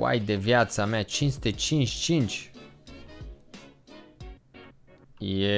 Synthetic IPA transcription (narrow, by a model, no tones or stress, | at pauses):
a̰jd̪evjat̪sameat͡ʃinsut̪et͡ʃint͡ʃʲt͡ʃint͡ʃʲ | je